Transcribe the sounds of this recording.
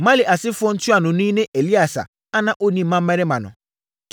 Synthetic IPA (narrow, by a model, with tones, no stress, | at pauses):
mã˦lɪ˨ʔa˨sɪ˦fʊ˦ɔ˦n̩˦tu˦a˨nʊ̃˨nʊ̃˦i˦nẽ˦ʔe˨li˦a˨sa̰˨ | a˦nã˦˨ʔo˦nĩ˨m̩˦mã˦m̩˦mɛ˦ɾɛ˦mã˨nʊ̰̃˨